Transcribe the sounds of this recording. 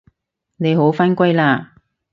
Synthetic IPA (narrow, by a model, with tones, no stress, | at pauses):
ne˨˧jho˨˥wfɐ˥nkʷa˥jlaː˧